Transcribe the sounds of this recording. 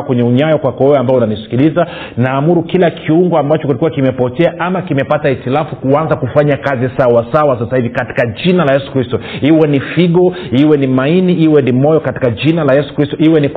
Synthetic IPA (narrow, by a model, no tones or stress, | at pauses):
kwɛɲɛuɲajɔkwakɔwɛwɛambaɔunanisi̥kiliza | naːmuɾukilakʰiuŋɡɔambat͡ʃɔkilikuwakimɛpɔtɛaʔamakimɛpataitilafukuanzakufaɲakazisawasawasasahivikati̥kad͡ʒinalajɛsu̥kɾistɔiwɛnifiɠɔiwɛnimainiiwɛnimɔjɔkati̥kaʄinalajɛsu̥kɾistɔiwɛnik